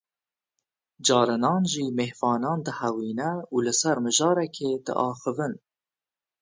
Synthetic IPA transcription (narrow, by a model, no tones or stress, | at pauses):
d͡ʒɑːɾɨnɑːnʒiːmehfɑːnɑːnd̪əhæwiːnɛuːlɨsæɾmɨʒɑːɾɛkʰeːd̪ə̰ʔɑːxəvɨn